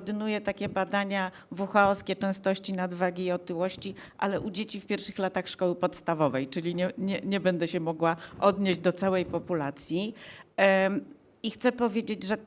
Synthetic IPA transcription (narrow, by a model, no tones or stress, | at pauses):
d̪ɘnujɛt̪akʲɛbad̪aɲa | vuxaɔskʲɛt͡ʂɛ̃st̪ɔɕt͡ɕinad̪vaɡʲiːɔt̪ɘwɔɕt͡ɕiʔa̰lɛʔud͡ʑet͡ɕifpʲjɛɾfʂɘxlat̪axʂkɔwɘpɔt̪st̪avɔvɛjt͡ʂɘlʲiɲɛɲɛɲɛbɛnd̪ɛɕɛmɔɡwaʔɔd̪ɲeʑd͡ʑd̪ɔt̪sawɛjpɔpulat̪sʲji | ixt̪sɛpɔvʲjed͡ʑed͡ʑʐɛ